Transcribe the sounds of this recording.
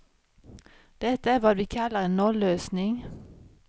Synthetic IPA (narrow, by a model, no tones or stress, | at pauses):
d̪̥ɛt̪əæʋɑːd̪ʋiːkʰɑlːəʁeːnnɔløːsnɪŋ